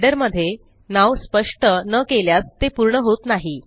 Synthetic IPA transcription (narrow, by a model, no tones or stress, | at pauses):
ɖəɾməd̪ʱːje | naʋspəʂʈənəkeljat͡st̪ːepuɾɳəɦot̪naɦi